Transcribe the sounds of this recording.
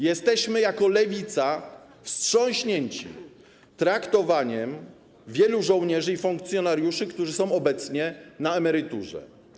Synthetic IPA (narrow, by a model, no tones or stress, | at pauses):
jɛst̪ɛɕmɘjakɔlɛvʲit̪sa | fstʂɔ̃w̃ɕɲeɲt͡ɕḭ | t̪ɾakt̪ɔvaɲɛm | vʲjɛluʐɔ̃w̃ɲɛʐɘifuŋkt̪sʲjɔnaɾjuʂɘkt̪uʐɘsɔ̃w̃ɔbɛt̪sɲɛnaɛmɛɾɘt̪uʐɛ̰